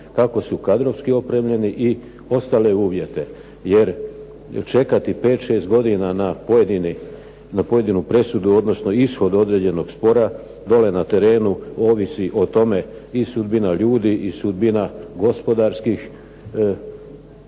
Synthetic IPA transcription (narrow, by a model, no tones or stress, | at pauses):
kako̞sukad̪ɾo̞ʋskio̞pɾe̞mʎe̞niʔi | o̞st̪ale̞uːʋje̞t̪e̞ | je̞ɾ | t͡ʃe̞kat̪ipe̞ːt̪ʃe̞ːst̪ɡo̞d̪inanapojed̪ini | napo̞jed̪inupɾe̞sud̪uo̞d̪no̞sno̞isxo̞d̪o̞d̪ɾe̞ːd͡ʑe̞no̞ɡspo̞ɾa | d̪o̞le̞nat̪e̞ɾe̞ːnuoːʋisiʔo̞t̪o̞me̞isud̪binaʎuːd̪iʔisud̪̚binaɡo̞spo̞d̪aɾskix